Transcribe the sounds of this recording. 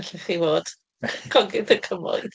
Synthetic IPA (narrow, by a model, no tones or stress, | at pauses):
ɬɪθivoːd̥ | kʰɔɡɪdəkʰəmɔ̰ɨ